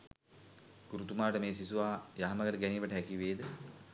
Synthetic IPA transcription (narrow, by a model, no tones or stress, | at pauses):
ɡ̥uɾut̪umaːʈəmeːsisuʋaːjaːməɡəʈəɡæniːʋəʈəɦækiʋeːd̪ə